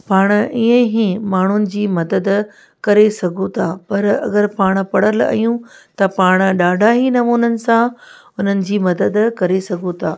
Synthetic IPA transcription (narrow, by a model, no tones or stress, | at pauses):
paːɽ̃iːẽɦimaːɳ̤ʊnɪ̆d͡ʑiːmɐd̪əd̪ | kɐɾesɐɡʱõt̪ʰaːpɐɾɐ̰ɡəɾpaːɽ̃̆pɐɽ̤əlɐ̰jũt̪ɐpaːɽ̃̆ɗaːɖʱaɦinɐmuːnənɪ̆sã | ʊn̤ənɪ̆d͡ʑiːmɐd̪əd̪kɐɾesɐɡʱõt̪ʰaː